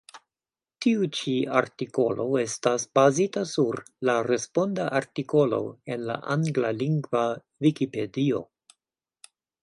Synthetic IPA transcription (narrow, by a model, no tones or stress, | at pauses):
tiut͡ʃia̰ɾtiko̞lo̞e̞stasb̥azitasuɾ | laɾe̞spo̞ndaʔaɾtiko̞lo̞̰e̞nla̰ʔaŋɡlaliŋɡva | vikipe̞dio̞̰